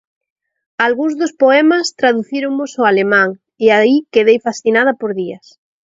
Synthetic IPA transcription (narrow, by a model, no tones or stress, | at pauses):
alɣuŋzðʊspoɛmɐst̪ɾaðuθiɾoŋmʊsʊalemãŋ | eaikeðejfasθinað̞ɐpoɾðiɐs